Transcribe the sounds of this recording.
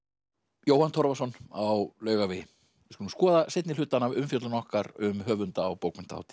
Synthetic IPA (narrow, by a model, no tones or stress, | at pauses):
joːwhant̪ʰɔɾvasɔnawlœːɥɣavɪ | ɪskʏnmskɔːðaset̪nɪlʏːt̪anːaʏmfjɔt̪lʏnɔhkaɾʏmɦœːvʏnt̪aːwpoːwkmɪnt̪ʰa̰wt̪ɪ̥